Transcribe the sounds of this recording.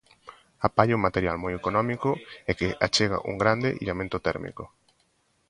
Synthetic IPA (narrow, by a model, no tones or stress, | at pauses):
apaʎeuŋmat̪eɾjalmɔjekonɔmikʊekeʔat͡ʃeɣ̞a̰ʔṵŋɡɾand̪eʔiʎamẽnt̪ot̪ɛ̰ɾmḭko